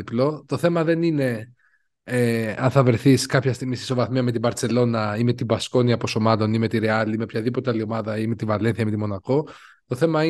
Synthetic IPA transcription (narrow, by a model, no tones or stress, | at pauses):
iplo̞t̪o̞θe̞mɐðe̞nine̞ | eɐnθɐvɾeθiskɐpçɐst̪iɣmist̪i̥so̞vɐθmiɐme̞t̪̬ibɐɾt͡se̞lo̞nɐime̞t̪ibɐsko̞niɐposomɐlo̞nime̞t̪iɾeɐliime̞pçɐðipo̞t̪eɐlio̞mɐðɐime̞t̪ivɐle̞nθiɐmet̪imo̞nɐko̞ | t̪o̞θe̞mɐi